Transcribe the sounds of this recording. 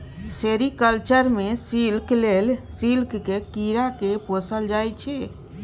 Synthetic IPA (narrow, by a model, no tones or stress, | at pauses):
seɾikəlt͡ʃəɾmesilklelsilkkekiɾakeposəld͡ʒajt͡ʃʰɛ